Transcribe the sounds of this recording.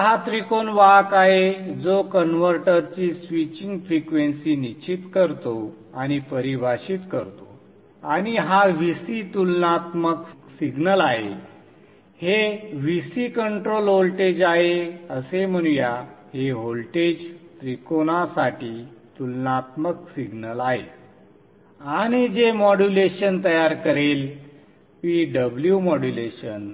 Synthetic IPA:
ɦat̪ɾikonʋakaɦed͡zokənʋəɾʈəɾt͡ɕisʋit͡ɕiŋɡfɾikʋensiːnit͡ɕit̪kəɾt̪o | añipəɾiʋʱaɕit̪kəɾt̪o̰ | añiɦaʋisit̪ulnat̪məksiɡnəlaɦḛ | heʋisiːkəɳʈɾolɦolʈed͡ʑaɦeəsem̤əñujaheɦolʈed͡ʑt̪ɾikonasaʈiːt̪ulnat̪məksiɡnəlaɦḛ | aɽ̃id͡ʑemɔɽuleɕənt̪əjaɾkəɾel | ʋiːɖəbljumɔɽuleɕən

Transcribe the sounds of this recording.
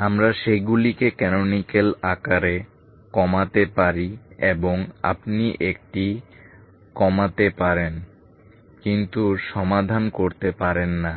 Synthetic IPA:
amɾaʃeɡulikekɛnonikelakaɾe | kɔmat̪epaɾieboŋa̰pniʔek̚ʈi | kɔmat̪epaɾen | kint̪uʃɔmad̪ʱankoɾt̪epaɾenːa

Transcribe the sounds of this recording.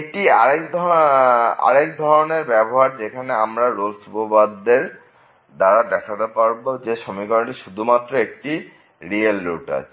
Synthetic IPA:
ekʈiaɾekd̪ʱ | a̰ɾek̚d̪ʱɔɾoneɾbɛboɦaɾd͡ʑekʰaneamɾaɾolsupobad̪ːeɾ | d̪aɾad̪ɛkʰat̪epaɾbod͡ʑeʃomikɔʈiʃud̪ʱumat̪ːɾoek̚ʈi | ɾielːuʈa̰t͡ɕʰi̥

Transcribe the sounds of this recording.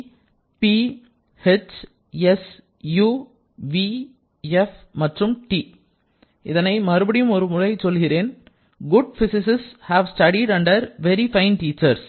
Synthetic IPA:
pi | hɛt͡ʃ | ɛs | juː | ʋi | ɛfmɐʈrɯmʈiː | ʔɪðɐnɐɪmɐɾɯbɐɽɪjɯmɔɾɯmʊrɐɪsɔlɣɪɾeːn | ɡʊɖ̚fɪsɪsɪshæːʋsʈɐɽiɽɐɳɖɐɾʋɛɾifɐɪnʈiːt͡ʃːɐɾs

